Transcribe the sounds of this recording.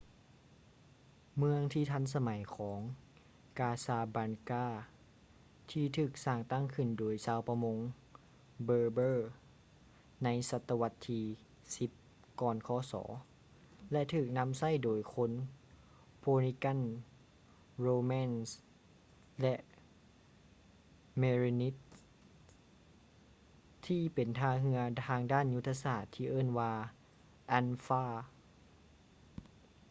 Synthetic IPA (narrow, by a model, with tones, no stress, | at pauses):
mɯ˧əŋt̪ʰiː˧˩t̪ʰa˧˥˨ns̬a˧ma˨˦jkʰɔː˩˦ŋ | kaː˧saː˧˩baː˧nkaː˧˩ | t̪ʰiː˧t̪ʰɯː˧˩k̚saː˧˩ŋt̪a˧˥˩ŋkʰɯ˧˩ndoː˧˩jsaː˧˥˨wpa˧mo˧˥ŋ | bɤː˧bɤː˧˩ | na˧˥jsa˧˦t̪ːa˧wa˧t̪ʰːiː˧ | si˧˦p̚ | kɔː˧˩nkʰɔː˧˦sɔ̰ː˩˦ | lɛ˧ʔt̪ʰɯː˨˩k̚na˧˥msa˧˥˩jdoː˨˩jkʰo˧˥n | pʰoː˧ni˧ka˧˥˨n | ɾoː˧mɛː˧˥˨ns | lɛ˧ʔ | meː˧ɾi˧ni˦˥t̪̚ | iː˧˥˩pe˨nt̪ʰaː˧ɦɯ˧ɐaː˧ŋdaː˥˨nju˦˥t̪ʰːa˧saː˧˩t̪ʰːiː˧˨ʔɤː˥˨nwaː˧ | ʔa˧˥nfaː˧˥˩